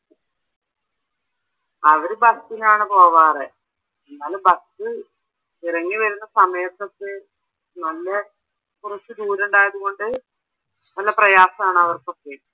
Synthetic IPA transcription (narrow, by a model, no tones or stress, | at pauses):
ɐʋɐɾubɐst̪inaːɳɨpo̞ːʋaːre | enːaːlbɐst̪ɨ | irɐŋːiʋɐɾunːɐsɐmeːɐt̪ːɐt̪ːɨ | nɐlːɐ | kurɐt͡ɕːɨd̪uːɾuɳɖaːjɐðuɣo̞ɳɖɨ | nɐlːɐprɐjaːsɐmaːɳɨɐʋɐrkokːe